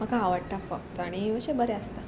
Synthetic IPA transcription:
məkaːʋəɽʈafək̚t̪aɽ̃iʋəɕebəɾeəst̪a

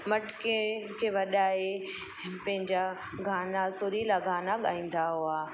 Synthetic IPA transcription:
mɐʈkekʰeʋɐɗaːe | pɐ̃ɦɪ̃ɲd͡ʑa | ɡʱaːnasoɾilaɡʱaːnaɠaːĩːn̆d̪aɦuaː

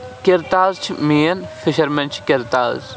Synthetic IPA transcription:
kɪɾt̪aːzt͡ʃʰimiːɐnfʰɪʃɐɾmɐ̃nt͡ʃʰkɪɾt̪a̰ːz

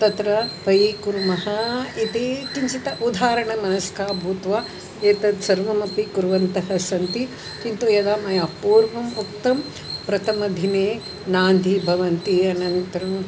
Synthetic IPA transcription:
t̪ɐt̪ɾɐpɐjikuɾmɐɦɐit̪eːt͡ʃiɲt͡ʃit̪ɐʔud̪ʱaːɾɐɳɐmɐnɐskaːbʱuːt̪ʋaː | eːt̪ɐd̪sɐɾʋɐmɐpikuɾʋɐnt̪ɐɦɐsɐnt̪i | t͡ʃint̪ujɐd̪aːmɐjaːpuːɾʋɐmuk̚t̪ɐm | pɾɐt̪ʰɐmɐd̪ʱineː | naːnd̪ʱibʱɐʋɐnt̪iɐnɐnit̪ɾɐm

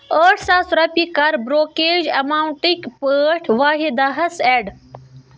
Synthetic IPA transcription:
əːʈsasʊɾɐpikɐɾbɾoːkeːd͡ʒɐmaːuɳʈikpəːʈʰʋaːɦid̪aɦɐseɖ

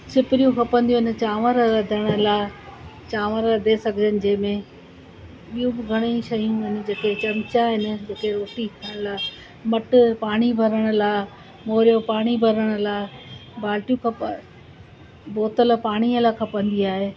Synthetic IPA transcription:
sɪpɪɾijũkʰɐpə̃nd̪ijũɪn̆t͡ɕaːʋəɾɾɐd̪ʱəɽ̃laː | t͡ɕaːʋəɾɾɐd̪esɐɡʱɪd͡ʑənɪ̆d͡ʑɐ̃ːɪ̃mẽ | ɓijũbɪɡʱɐɽ̃iʃɐjũɦɪnɪ̆d͡ʑeːket͡ɕɐmt͡ɕaɦɪnɪ̆d͡ʑeːkeɾoːʈitʰəɽ̃laː | mɐʈʊpaːɽ̃ibʱɐɾəɽ̃ʊ̆laː | moːɾjopaːɽ̃ibʱɐɾəɽ̃ʊ̆laːbaːlʈijũkʰɐp | boːt̪əlpaːɽ̃iəlakʰɐpə̃nd̪iaːɦeː

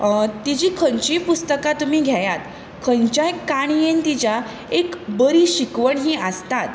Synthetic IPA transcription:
t̪id͡ʑiːkʰəɲt͡ɕĩpust̪əkat̪um̤iːɡʱjajat̪ | kʰəɲt͡ɕajkːaɽ̃ijent̪it͡ɕa | ekbəɾiːɕikʋəɳɦiːəst̪at̪

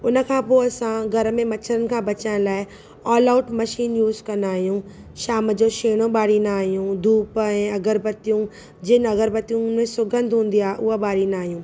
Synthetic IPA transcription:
ʊnə̆kʰãːpoːɐsãɡʱɐɾmẽmɐt͡ɕʰəɾənɪ̆kʰãːbɐt͡ɕəɽ̃laːɪ | ɔːlaːʊʈmɐʃiːnjuːzkɐ̃naːɦijũ | ʃaːmə̆d͡ʑoʃeːɽ̃oɓaːɽinaːɦijũd̪ʱuːpɛ̃ːɐɡəɾbɐt̪ijũ | d͡ʑɪnɐɣəɾbɐt̪ijũmẽsʊɡə̃nd̪ʱɦũːnd̪iaːɦʔʊɦaɓaːɽinaːɦijũː

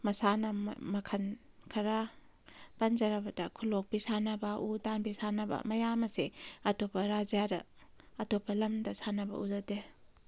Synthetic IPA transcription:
mɐsanɐmɐkʰɐn | kʰɐɾa | pɐnd͡ʒɐɾɐbɐdɐkʰulok̚bisanɐbɐʔudanbisanɐbɐ̰mɐjamɐseɐtopɐɾazijaɾɐ̰ː | topʰɐlɐmdɐsanɐbɐ̰ʔuzɐte

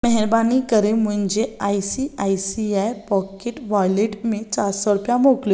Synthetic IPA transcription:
məɦɛɾbanikəɾem̤əɳd͡ʑeajsiajsiajpɔkeʈʋajleʈmet͡ɕaɾsɔɾupjamokljo

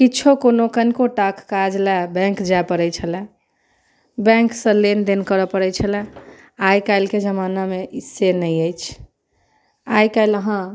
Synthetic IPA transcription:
kiːt͡ʃʰokonokənkoʈakkad͡ʒlɛbɛ̃ŋkd͡ʒaepəɾɛt͡ʃʰəlɛ | bɛ̃ŋksə̃lend̪enkəɾəpəɾɛt͡ʃʰəlɛ | ajkaɪlked͡ʒəmanameisenəjəjt͡ʃʰ | ajkajləɦã

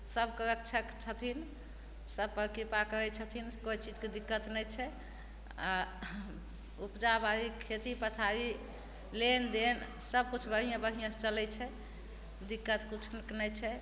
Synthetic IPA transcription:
səbkəɾəkt͡ʃʰəkt͡ʃʰət̪ʰin | səbpəɾkipakəɾɛt͡ʃʰət̪ʰinkoit͡ʃid͡ʒked̪ikːət̪nɛjt͡ʃʰɛ | a | upd͡ʒabaɾikʰet̪ipət̪ʰaɾi | lend̪ensəb̚kut͡ʃʰbəɦijãbəɦijãst͡ʃəlɛt͡ʃʰɛ | d̪ikːət̪kut͡ʃʰnknɛjt͡ʃʰɛ

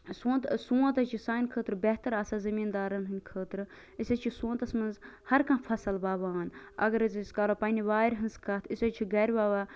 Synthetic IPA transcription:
suːt̪suːɐ̃t̪ɐt͡ʃʰisaːinkʰəːt̪ɾɨbeɦt̪ɐɾɐsazɐmiːnd̪aːɾɐnɦɨnʲkʰəːt̪ɾɨ | isɐt͡ʃʰisũːnt̪ɐsmɐnzhɐɾkãːfʰɐsɐlbaːʋaːnɐ̰ɡɐɾɐziskaːɾoːpɐnʲiʋaːɾʲɦɨnzkɐt̪ʰisɐt͡ʃʰiɡɐɾʲbaːʋa

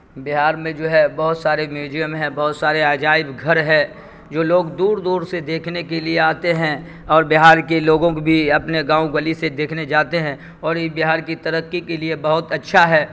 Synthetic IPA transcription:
bɪɦaːɾmẽd͡ʒoːɦɛbɐɦʊt̪saːɾemjuːd͡ʒijəmɦɛ̃bɐɦʊt̪saːɾeaːd͡ʒaːɪbɡʱɐɾɦɛ̃ | d͡ʒoːloːɡd̪uːɾd̪uːɾsed̪eːkʰnekelieaːt̪eɦɛ̃ | ɔːɾbɪɦaːɾkeloːɡõkobʱiɐpneɡãːuɡəlised̪eːkʰned͡ʒaːt̪eɦɛ̃ | ɔːɾɪsbɪɦaːɾkit̪ɐɾəqːikeliebɐɦʊt̪ɐtːʃʰaɦɛː

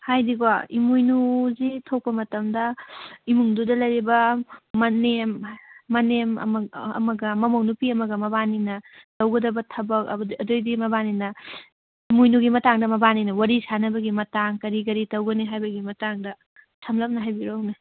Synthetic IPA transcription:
hajdiɡwaimujnuzitʰow̚pɐmɐtɐmdɐimuŋdudɐlɐjɾibɐmɐnemːɐnem̰ɐ̰mɐɡɐmɐmownupiɐmɐɡɐmɐbaninɐdɐwɡɐdɐbɐtʰɐbɐk̚ɐ̰bɐdojdimɐbaninɐ | imujnuɡimɐtaŋdɐmɐbaninɐwɐɾisanɐbɐɡimɐtaŋkɐɾiɡɐɾitɐwɡɐniɦajbɐɡimɐtaŋdɐ | tʰɐmlɐm̚nɐɦajbiɾowni

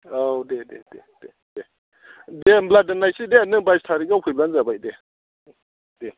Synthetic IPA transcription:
odedḛded̥e | d̥e | dembladənajsidenɯbajstʰaɾikapʰujblanzabajde | de

